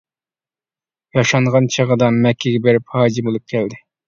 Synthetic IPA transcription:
jɑʃɑɴʁɑnt͡ʃʰəʁəd̪ɑmɛkʲʰːeɡʲɛbeɾɪphɑːd͡ʒimulˠɨp̚kʲʰɛld̪ɪ

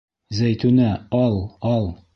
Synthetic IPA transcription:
zæjt̪ʉnæɒlˠɒlˠ

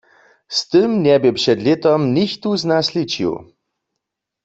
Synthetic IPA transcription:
st̪ɨmnʲɛbɪpʂɛd̪lʲet̪ɔmnʲiçt̪uznaslit͡ɕḭw

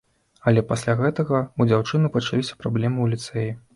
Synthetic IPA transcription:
ɐlʲɛpasʲlʲaɣɛt̪ɐɣɐud͡zʲawt͡ʂɨnɨpɐt͡ʂalʲisʲɐ̥pɾablʲɛmɨwlʲit̪sɛji

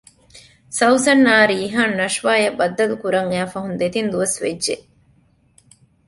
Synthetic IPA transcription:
sɐwsɐnːaːɾiːɦaːnːɐʂʋaːjɐbɐd̪ːɐlukuɾɐŋæːfɐɦund̪et̪ind̪uʋɐsʋḛdːʒeʔ

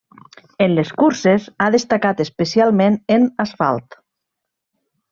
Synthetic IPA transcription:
enleskuɾsesaðest̪akat̪espesialˠmenenasfa̰lˠt̪

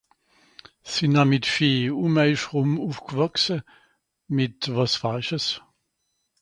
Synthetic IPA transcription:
sinamɪtfeːuːmɛɪʃʁʊmuːfɡ̥əvɔksə | mɪtvɑsfaʃəs

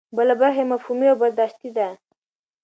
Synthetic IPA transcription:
bəlabaɾxemafhumiawbad̪d̪ɑʃt̪id̪a

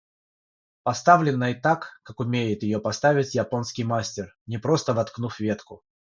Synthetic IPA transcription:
pɐst̪avlʲɪnːəɪt̪akːakʊmʲejɪt̪jɪjopɐst̪avʲɪtʲjɐpo̞nskʲijmasʲtʲɪr | nʲɪpɾo̞st̪əvɐt̪knufʲvʲe̞t̪kʊ

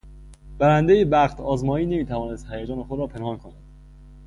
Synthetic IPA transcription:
b̥æɾænd̪ejebæɣt̪ʰɒːzmɒːiːne̞miːt̪ʰævɒːne̞st̪hæjæd͡ʒɒːnexod̪ɾɒːpʰe̞nhɒːnkʰonæd̪̥

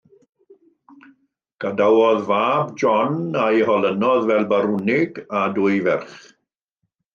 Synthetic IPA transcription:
ɡ̥adawɔðvaːbd͡ʒɔnajhɔlənɔðvɛlˠbaɾʊnɪɡadʊɨvɛrχ

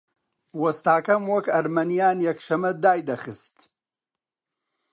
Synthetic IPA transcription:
wɐst̪aːkɐmwɐkɐɾmɐnijaːnjɐkʃɐmɐd̪aːjd̪ɐxɨst̪

